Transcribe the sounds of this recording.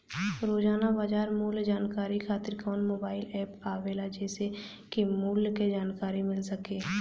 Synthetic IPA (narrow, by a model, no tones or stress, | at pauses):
ɾoːd͡ʒaːnabaːd͡ʒaːɾmuːld͡ʒaːnkaːɾikʰaːt̪ɪɾkɔːnmoːbaːɪlɛːpaːʋeːlad͡ʒɛːse | kimuːlked͡ʒaːnkaːɾimɪlsəkeː